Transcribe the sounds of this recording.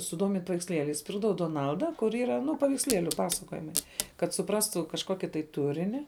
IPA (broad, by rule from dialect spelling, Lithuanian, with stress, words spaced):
sʊˈdoːmʲɪnʲtʲ pɐʋʲɛɪksʲˈlʲeːlʲɛɪs ˈpʲɪrɡdɐʋɐʊ doːˈnɐlˠdɐ kʊr ˈiːrɐ ˈnʊ pɐʋʲɛɪksʲˈlʲiɛlʲʊ ˈpɑːsɐkoːjɪmɐɪ kɐt sʊˈprɑːstuː kɐʃˈkoːkʲɪ tɐɪ ˈtʊrʲɪnʲɪ